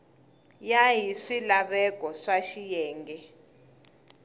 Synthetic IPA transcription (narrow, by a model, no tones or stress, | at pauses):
jajiʂilaɓɛk̬ʼɔʂaʃijɛːŋɡɛ